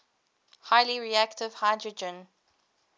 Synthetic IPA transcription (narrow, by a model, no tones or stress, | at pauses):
haɪliɹiæktɪv̥haɪdɹəd͡ʒə̃n